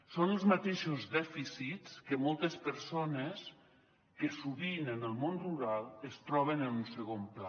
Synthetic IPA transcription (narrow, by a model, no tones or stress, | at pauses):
sonəlˠzmat̪eʃuzðɛfisiskəmɔlˠt̪əspəɾsones | kəsuβinənəlˠmonruɾalˠəst̪ɾɔβ̞ənənunsəɣompla